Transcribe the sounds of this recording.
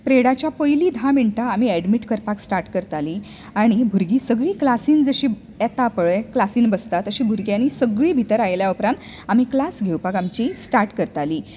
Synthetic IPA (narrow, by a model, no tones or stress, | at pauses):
pɾeɽat͡ɕjapəjliːd̪ʱãmiɳʈaːm̤iːæɖmiʈkəɾpaksʈaɾʈkəɾt̪aliː | aɽ̃ibʱuɾɡiːsəɡɭiːklasiːnd͡zəɕiː | ɛt̪apəɭeklasiːnbəst̪at̪əɕiːbʱuɾɡjãnːisəɡɭiːbʱit̪əɾajljaupɾãnt̪ | am̤iːklasɡʱewpakamt͡ɕisʈaɾʈkəɾt̪aliː